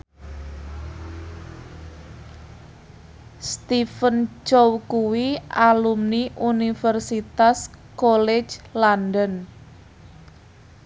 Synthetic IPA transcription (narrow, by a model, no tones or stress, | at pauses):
st̪ifənt͡ʃowkuwiʔalumniʔunifərsit̪askole̥t͡ʃlandən